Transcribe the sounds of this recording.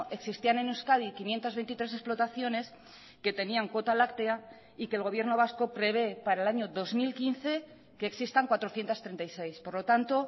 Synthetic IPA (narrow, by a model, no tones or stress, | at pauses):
ʔe̞ksist̪ianenuskað̞ikinje̞nt̪azβent̪it̪ɾese̞splo̞t̪aθjo̞ne̞s | ke̞t̪e̞niaŋko̞t̪alakt̪ea | ike̞ːlɣ̞o̞β̞je̞ɾno̞βasko̞pɾe̞β̞e̞paɾaelaɲo̞ðo̞zmilkinθe̞ | ke̞ːksist̪aŋkwat̪ɾo̞θjent̪ast̪ɾent̪ajse̞jspo̞ɾlo̞t̪ant̪o̞